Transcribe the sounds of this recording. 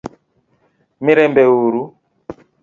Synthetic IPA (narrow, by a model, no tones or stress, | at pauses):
miɾɛmbɛuɾu